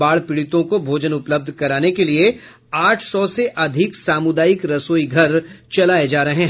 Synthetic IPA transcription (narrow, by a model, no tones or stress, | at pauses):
aːɭpɪɽɪt̪õkobʱoːd͡ʒənʊpləb̚d̪ʱkɐɾaːnekelie | aːʈʰsɔseʔɐd̪ʱɪksaːmʊd̪aːjɪkɾɐsoːiɡʱɐɾt͡ʃɐlaːed͡ʒaːɾɐɦẽ